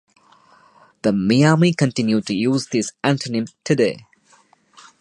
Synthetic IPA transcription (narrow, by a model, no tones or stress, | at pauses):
ð̥əmiamikə̃ntɪ̃njud̚tɨjuːzðɪsæ̃ntʰənɪ̃mtʰɨdeː